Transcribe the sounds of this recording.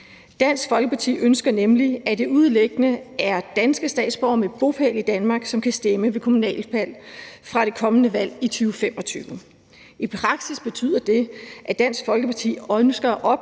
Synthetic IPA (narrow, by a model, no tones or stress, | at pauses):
d̥æn̰sɡ̥fɒ̽lɡ̥əpʰɑ̈t͡sʰḭːʔønsɡ̥ɐnemliæd̥e̝uð̞ˠleɡ̥ənəæɐd̥ænsɡ̥əsd̥ɛ̰ːd̥sb̥ɒ̰meb̥o̝pʰælid̥ænmɑ̈ːɡ̥sɒ̽mkʰæsd̥eməʋe̝kʰo̝munɛ̰ːlpʰæl̰fʁɑ̈ɾ̥e̝kʰɒ̽mənəʋæl̰it͡sʰyːʊfem̰ɒ̽t͡sʰyːʊ | ipʰʁɑ̈ɡ̥sisb̥e̝t͡sʰy̰ːð̰ˠɐd̥e̝ʔæd̥æn̰sɡ̥fɒ̽lɡ̥əpʰɑ̈t͡sʰḭːønsɡ̥ɐʔɒ̽b̥